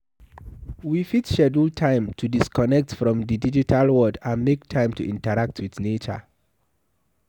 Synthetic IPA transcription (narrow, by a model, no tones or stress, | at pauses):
wifitʃɛdultʰãɪ̃mtʰudiskɔnɛk̚tfɹɔ̃mdidid͡ʒitʰalwɔdãnmektʰãɪ̃mtuʔĩntəɹak̚tʰwiθnet͡ʃə̰